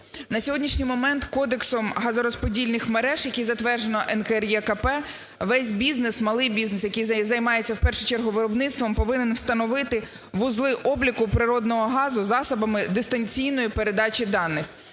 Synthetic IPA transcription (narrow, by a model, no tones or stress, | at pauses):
nɐsʲɔɦɔdʲnʲiʃnʲijmɔmɛnt̪kɔd̪eksɔmɦɐzɔɾɔspɔdʲilʲnɪxmeɾɛʒjɐkʲijzɐt̪ʋɛrʒenɔʔɛnkɛrjɛkɐpɛ | ʋɛsʲbʲiznesmɐlˠɪjbʲiznesjɐkijzzɐjmɑjet͡sʲːɐwpɛrʃʊt͡ʃɛrɦʊʋɪɾɔbnɪt̪st̪ʋɔmpɔʋɪnenwst̪ɐnɔʋɪt̪ɪ | ʋʊzlˠɪʔɔblʲikʊpɾɪɾɔd̪nɔɦɔɦɑzʊzɑsɐbɐmɪd̪ɪst̪ɐnʲt͡sʲijnɔjipeɾe̞d̪ɑt͡ʃʲid̪ɑnːɪx